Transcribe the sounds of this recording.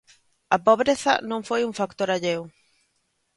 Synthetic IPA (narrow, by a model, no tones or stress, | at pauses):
ɐpoβɾeθɐ̰nõŋfojuŋfakt̪oɾaʎew